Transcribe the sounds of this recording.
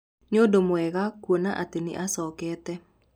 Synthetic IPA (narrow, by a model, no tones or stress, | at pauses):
nodomoɛɣakwonaʔatenḛʔasɔkɛːtɛ